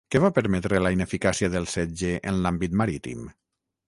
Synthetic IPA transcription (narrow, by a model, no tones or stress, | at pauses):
keβapəɾmɛt̪ɾelainefikasiaðəlˠsɛd͡ʒeʔənlambit̪maɾit̪ḭm